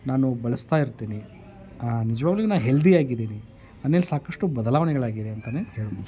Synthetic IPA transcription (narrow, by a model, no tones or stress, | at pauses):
naːnubɐɭɐst̪aːjiɾt̪iːni | nid͡ʒɐʋaːɡloɡenaːnɦeld̪iaːɡid̪eːni | ɐnːelsaːkɐʂʈubɐd̪ɐlaːʋɐnɛɡɐɭaːɡid̪e̞ɐnt̪ɐneːheːɭunu